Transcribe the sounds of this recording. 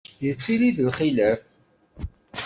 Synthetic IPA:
jət͡sːiliðəlχilæf

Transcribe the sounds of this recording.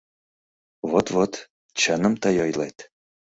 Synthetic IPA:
vot̪vot̪ | t͡ɕənə̆mt̪əjojlˠet̪

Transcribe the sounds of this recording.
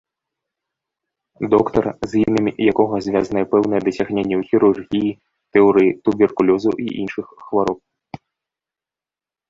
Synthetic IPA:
d̪ɔkt̪ɐrzʲjinɨmʲijakɔɣɐzʲvʲazɐnɐjɛpɛwnɐjɛd̪ɐsʲaɣnʲenʲːɛwxʲiɾurɣʲiji | t̪ɛɔɾɨjt̪ubʲɛrkulʲɔzɐʔḭʔinʂɨxxvaɾɔp̚

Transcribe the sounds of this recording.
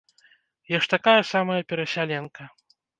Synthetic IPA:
jaʂt̪akajɐsamɐjɐpʲɛɾɐsʲalʲɛnkɐ

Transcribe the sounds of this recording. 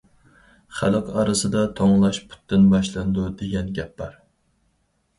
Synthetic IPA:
χælˠɨqɑɾɨsɨd̪ɑt̪ʰoŋlˠɑʃpʰu̥t̪ːɪnbɑʃlˠɨnd̪ud̪eɡʲɛnɡʲɛp̚b̥ɑɾ

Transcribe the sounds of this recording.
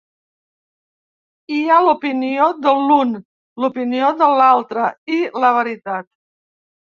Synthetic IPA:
ialupinioðəlun | lupinioðəlalˠt̪ɾəiləβ̞əɾit̪at̪̚

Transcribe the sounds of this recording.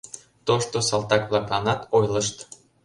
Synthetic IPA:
t̪oʃt̪osɑlt̪ɑkβlˠɑklˠɑnɑt̪ojlˠə̆ʃt̪

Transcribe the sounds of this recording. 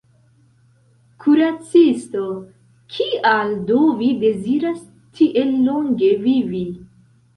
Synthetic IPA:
kʰuɾat͡sisto | kʰialdovide̞ziɾas | tʰiʔelːo̞ŋɡe̞vivi

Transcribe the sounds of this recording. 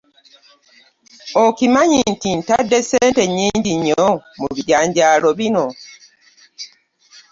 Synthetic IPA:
okimaɲintintadːeseːnte̞ɲːiːɲɟiɲːomṵβiɟaːɲɟaːlo̞βino

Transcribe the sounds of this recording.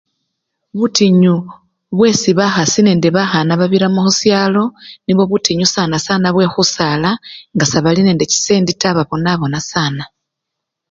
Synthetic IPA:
βutiɲu | βwe̞siβaxasine̞ːndeβaxanaβaβiɾamuxusjaːlo̞niβwo̞βutiɲusanasaːnaβwe̞xusalaŋɡasaβaline̞ːnde̞ci̥seːnditaβaβo̞naβo̞nasaːna

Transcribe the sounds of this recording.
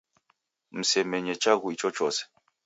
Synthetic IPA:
m̩sɛmɛɲɛt͡ʃaɣuit͡ʃɔt͡ʃɔs

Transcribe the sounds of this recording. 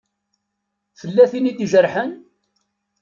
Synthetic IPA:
θəlːæθinid̪ʒəɾħən

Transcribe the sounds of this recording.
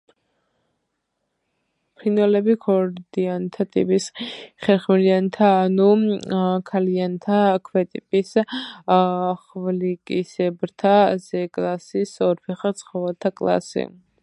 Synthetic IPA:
pʰinɛlɛbikʰɔɾd̪iant̪ʰat̪ʼḭpʼisχɛɾχmɛliant̪ʰaːnu | kʰaliant̪ʰakʰwɛt̪ʼipʼis | χvlikʼisɛbɾt̪ʰazɛkʼlˠasisɔɾpʰɛχat̪sʰχɔvɛlt̪ʰakʼlˠa̰sḭ

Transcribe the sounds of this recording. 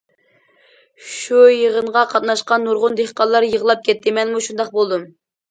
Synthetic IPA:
ʃujəʁənʁɑqʰɑt̪nɑʃqɑnːuɾʁʊnd̪eχqɑnlˠːɑɾjəʁlˠɑp̚kʲʰɛt̪ʰːɪmɛnmuʃund̪ɑqbolˠd̪um

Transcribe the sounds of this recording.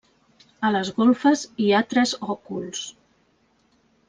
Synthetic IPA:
ələzɣolfəziat̪ɾəzɔkulˠs

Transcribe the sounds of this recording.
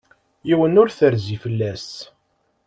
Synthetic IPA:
jiwənʊɾθəɾzifəlːæs

